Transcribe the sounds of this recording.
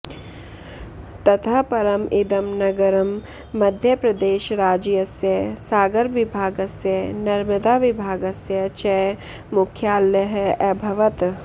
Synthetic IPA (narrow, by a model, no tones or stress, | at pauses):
t̪ɐt̪ʰapɐɾɐmɪd̪ɐmnɐɡɐɾɐmː | ɐd̪ʱjəpɾɐd̪eːʃɾaːd͡ʒjəsjəsaːɡəɾʋɪbʱaːɡɐsjɐnɐɾməd̪aːʋɪbʱaːɡɐsjɐt͡ʃɛ | mʊkʰjaːləɦɛbʱɐʋət̪